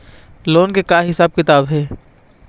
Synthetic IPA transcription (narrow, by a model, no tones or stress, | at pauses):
loːnkekaːɦɪsaːb̚kɪt̪aːbɦɛː